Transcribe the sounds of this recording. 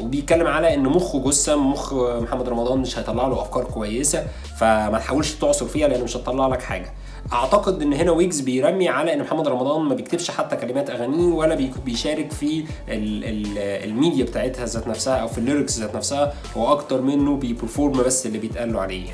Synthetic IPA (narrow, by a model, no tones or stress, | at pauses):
webejet̪̚kælːemʕalæʔenːmoxɡosːæmːoxmoħamːæd̪ˤɾˤɑmɑd̪ˤɑːnmeʃhɑjet̪ˤɑlːɑʕloʔæfkɑːɾˤkowæjːesæ | fæmæt̪ħawelʃt̪oʕsˤoɾfiːhæleʔenːmeʃɑt̪ˤːɑlːɑʕlɑkħa̰ːɡæ | ʔɑʕt̪ɑqed̪ʔenːɦenæwiːɡzbejɾæmːiʕalæʔenːmoħamːæd̪ɾˤɑmɑd̪ˤɑːnmæbejekt̪ebʃħat̪ːækælemæːt̪ʔæɣæniːwælːæbbejʃæːɾekfiʔelelelmiːd̪jæbet̪aːʕet̪hæzæːt̪næfsæhæʔæwfilːeɾekszæːt̪næfsæhæ | howːæʔɑkt̪ɑɾˤmenːobejpeɾfoːɾˤmbæsːʔelːibejet̪ʔælːoʕalḛːjæ̰